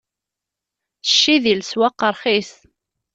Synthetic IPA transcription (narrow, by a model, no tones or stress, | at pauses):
θə̥ʃːiðilswæqːəɾˤχis